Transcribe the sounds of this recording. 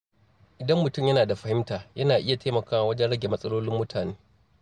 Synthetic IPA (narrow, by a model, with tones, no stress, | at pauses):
ʔɪ˨dɐ˦mːʊ˨tʊ˦mjɐ˦naː˨da˨ɸɐ˨hɪ˦mtaː˨jɐ˦naː˨ʔɪ˦ja˨tʰeː˦mɐ˨kaː˦wa˨wɐ˦d͡ʒɛ˦nɽɐ˦ɡʲe˨mɐ˦sʼɐ˦loː˦lɪ˦mːʊ˦tʰaː˨neː˦